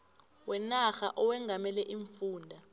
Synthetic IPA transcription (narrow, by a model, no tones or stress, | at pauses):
wɛnaxa̰ʔɔwɛŋɡʱamɛlɛʔiɱfuːndʱa